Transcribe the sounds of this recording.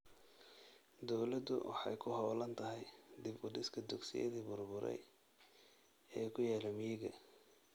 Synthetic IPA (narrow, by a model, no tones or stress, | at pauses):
d̪ɔwlɐd̪ʊ̰wɑ̰ħɑ̰jkʰʊhɔwlɐnt̪ʰɐɦɛjd̪ɪbʊd̪ɪskʰɐd̪ʊɡsɪ̰jɐ̰ðiːbʊrbʊɾɛ̰j | ɛːjkʰʊjɛːlɔmɪjɪɣɐ